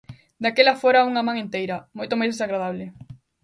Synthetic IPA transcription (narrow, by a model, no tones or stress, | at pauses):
d̪akelɐfoɾauŋɐmãŋẽnt̪ejɾɐmojt̪omajzðesaɣɾaðaβlɪ